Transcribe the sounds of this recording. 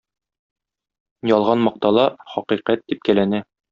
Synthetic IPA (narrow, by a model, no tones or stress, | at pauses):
jɒlˠʁɑnmɒq̚t̪ɑlˠɑχɒqiqæt̪̚d̪ip̚kælænɘ